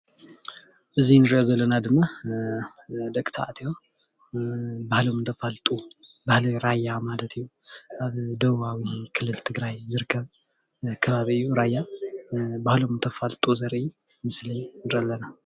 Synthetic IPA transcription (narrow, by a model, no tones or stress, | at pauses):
ʔɨzinɨɾiʔozɐlːɐnad̪ɨmːa | d̪ɐkʼt̪ʰa̰ʔt̪ʰijo | bahlomɨnt̪ʰɐfalt̪ʼubahliɾajːamalɐt̪ʰɨjːu | ʔaβd̪ɐβawikʰɨlːɨlt̪ʰɨɡɾajzɨɾɨkʰːɐβ | kʰɐβaβiɨjːuɾajːa | bahlo̞mnt̪ʰɐfalt̪ʼuzɐɾʔi | mɨslijnɾɐlːɐna